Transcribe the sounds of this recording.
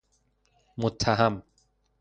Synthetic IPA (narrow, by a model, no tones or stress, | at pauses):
mot̪ʰːaɦam